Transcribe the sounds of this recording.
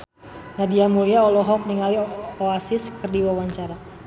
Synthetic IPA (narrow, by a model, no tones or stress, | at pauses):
nadiamuliaɔlɔɦɔk̚niŋalioasiskərdiwawaɲt͡ʃaɾa